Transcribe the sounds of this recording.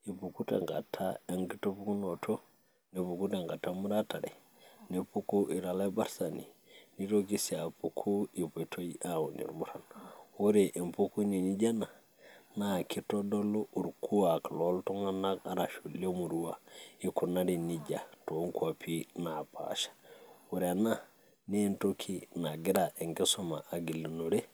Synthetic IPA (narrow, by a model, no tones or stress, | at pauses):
ipukutḛŋɡa̰tʰːa̰aŋɡitopuknotʰo | nepukuteŋɡatːamuɾataɾḛ | nepukuʔiɾalabaɾsanḭniɾokisiapukʰuipotʰoiawunḭɾmuɾanwoɾeʔimpukuniniɟana | nakitodolouɾkuakloltoŋanakaɾaʃulemuɾuwaikunaɾiniɟatoŋkuapʰinapa̰ʃḁwuɾana | nentokʰinaɡiɾaʔeŋkesoma̰ʔaɡilinoɾe